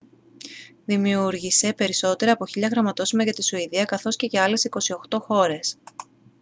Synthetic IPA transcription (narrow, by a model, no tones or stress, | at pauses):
ðimiuɾʝise̞pe̞ɾiso̞t̪e̞ɾɐpo̞çiʎɐɣɾɐmɐt̪o̞sumɐʝɐt̪isuiðiɐkɐθo̞sce̞ce̞ɐle̞siko̞sio̞xt̪o̞xo̞ɾe̞s